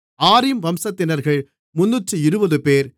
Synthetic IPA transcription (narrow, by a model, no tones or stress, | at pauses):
aːɾɪmʋɐmsɐt̪ːɪnɐɾɣɐɭ | mʊnːʊʈrɯɪɾɯbɐðɯpeːɾ